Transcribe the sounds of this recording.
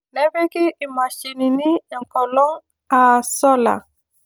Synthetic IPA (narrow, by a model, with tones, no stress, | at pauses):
ne˦be˦kɪ˦i˨ma˨ʃi˨ni˨ni˦˨ŋ̩˨kɔ˨lɔ˦ŋ | a˨sɔ˦la̰˨